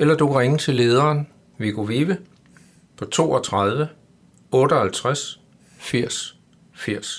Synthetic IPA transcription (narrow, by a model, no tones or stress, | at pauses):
elɐd̥ukʰʁeŋət͡sʰe̝le̝ːð̞ˠɐːn | ʋeɡ̥oʋiːʋə | pʰɒ̽t͡sʰo̝̰ːɒt͡sʰʁað̞ˠʋə | ɔ̽ːɾəɒhælt͡sʰʁas | fiɐ̰s | fiɐ̰s